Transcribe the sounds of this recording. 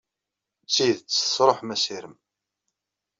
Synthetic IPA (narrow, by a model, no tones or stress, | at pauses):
siðət͡sːsɾˤoħmæsiɾəm